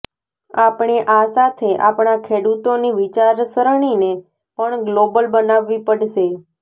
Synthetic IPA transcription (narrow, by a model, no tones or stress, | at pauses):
apɳ̃eʔasat̪ʰeʔapɳ̃akʰeɽut̪oniʋit͡ʃaɾsəɾɳ̃ine | pəɳɡlobəlbənaʋːipəɽʃe